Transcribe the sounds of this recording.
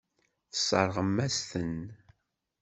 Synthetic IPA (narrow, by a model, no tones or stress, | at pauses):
θə̥sˤɑ̰ɾˤʁəmːæst̪ən